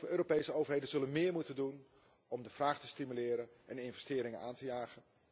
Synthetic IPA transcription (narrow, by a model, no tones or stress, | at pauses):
əøːɾopejsəowvəɹɦejdənzɵlənmɪːɹmutəndun | ɔmdəv̥raːχtəstimylɪːɾənɛnɪnvɛstɪːɾɪŋənʔaːntəjaːχən